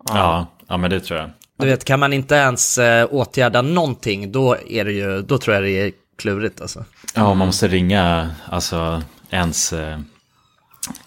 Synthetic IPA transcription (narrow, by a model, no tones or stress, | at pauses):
ɑː | ɑ̰ːmɛnd̪ɛt̪ʰɾuːɾja̰ | d̪ɵveːt̪kʰanmanɪnt̪əɛnsoːt̪jæːɖanɔnt̪ʰɪŋːd̪ɔæɖɛjɵd̪ɔt̪ʰɾuːjad̪ɛː | kʰlʉ̟ːɾɪt̪ʰa̰lsɔ̰ | ɑːɔmːanmɔst̪əɾɪŋːaa̰lsɔɛns